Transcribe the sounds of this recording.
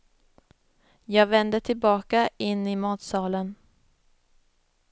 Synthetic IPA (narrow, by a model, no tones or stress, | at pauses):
jɑːɡvɛnd̪əʈʰɪlbɑːkaɪnːɪmɑːt̪sɑːlən